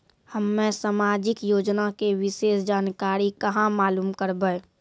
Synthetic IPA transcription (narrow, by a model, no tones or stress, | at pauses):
həmːẽsamaːd͡ʒɪkjoːd͡ʒnakewɪseːsd͡ʒaːnkaːɾikɐɦãmaːluːmkəɾbəː